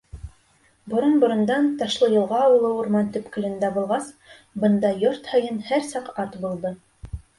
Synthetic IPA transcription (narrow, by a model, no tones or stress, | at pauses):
bŏɾonbŏɾɤ̆nd̪ɑnt̪ɑʃlˠɤjɤ̆lˠʁɑːwɤ̆lˠɤuɾmɑnt̪ɵ̆pkɘ̆lɘ̆nd̪æbulˠʁɑs | bɤ̆nd̪ɑjoɾt̪hɤ̆jɤnhæɾsɑqɑt̪bulˠd̪ɤ